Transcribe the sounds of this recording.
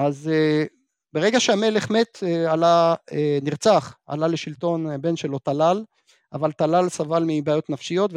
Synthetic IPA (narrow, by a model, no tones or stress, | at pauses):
aze | beʁe̞ɡaʃeame̞le̞χme̞t̪ealaeniʁt͡saχa̰laleʃilt̪o̞nbe̞nʃelo̞t̪alal | ʔavalt̪alalsavalmibeajo̞t̪nafʃijo̞t̪v